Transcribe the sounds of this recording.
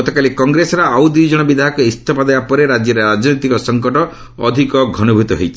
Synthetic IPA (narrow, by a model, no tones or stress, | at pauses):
ɔt̪ɔkalikɔŋɡɾesɔɾɔawd̪ujd͡ʒɔɽ̃ɔbid̪ʱaɦɔkɔist̪ʰɔpɔd̪ebapɔɾeɾad͡ʒjɔɾeɾad͡ʒnojt̪ikɔsɔŋkɔʈɔ̰ː | d̪ʱikɔɡʱɔnubʱut̪ɔɦejt͡ʃʰi